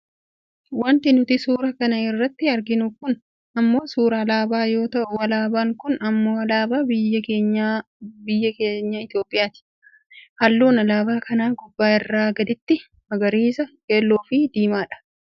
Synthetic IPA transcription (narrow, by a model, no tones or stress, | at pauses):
wɐnt̪ɪnʊt̪ɪsuːɾɐkɐnɐɪrːɐt̪ːɪɐɾɡɪnʊkʊn | ɐmːo̞ːsuːɾɐɐlaːbaːjo̞ːt̪ɐʔʊwɐlaːbaːŋkʊnɐmːo̞ːɐlaːbaːbɪjːɐkeːɲa | bɪjːɐkeːɲːaɪt̪jo̞ːpʼːɪjaːt̪ɪ̥ | hɐlːuːnɐlaːbaːkɐnaːɡʊbːaːɪrːaːɡɐd̪ɪt̪ːɪ | mɐɡɐɾiːsɐkeːlːoːfɪd̪iːmaːᶑɐ̥